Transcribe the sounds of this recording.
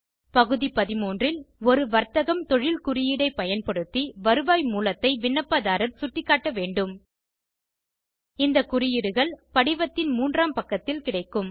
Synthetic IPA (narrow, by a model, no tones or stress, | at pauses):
pɐɣɯðipɐðɪmoːndrɪlɔɾɯʋɐɾt̪ɐɣɐmt̪ɔɻɪlkʊɾɪjɪɽɐɪpɐjɐnpɐɽɯt̪ːiʋɐɾɯʋaːjmuːlɐt̪ːɐɪʋɪɳːɐpːaːðaːɾɐmsʊʈːɪkːaːʈːɐʋeːɳɖɯm | ɪnd̪ɐkʊɾɪjɪɽɯɣɐɭpɐɽɪʋɐt̪ːɪnmuːndraːmpɐkːɐt̪ːɪlkɪɽɐɪkːɯm